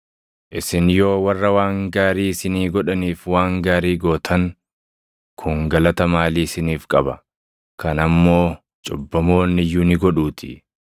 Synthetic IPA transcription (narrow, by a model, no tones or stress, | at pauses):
ʔɪsɪnjo̞ːwɐrːɐwaːŋɡaːɾiːsɪniːɡɔᶑɐniːfwaːŋɡaːɾiːɡo̞ːt̪ʰɐŋ | kʰʊŋɡɐlɐt̪ɐmaːliːsɪniːfkʼɐbɐ | kʰɐnɐmːo̞ː | t͡ʃʼʊbːɐmo̞ːnːɪjuːnɪɡɔᶑuːt̪ʰɪ̥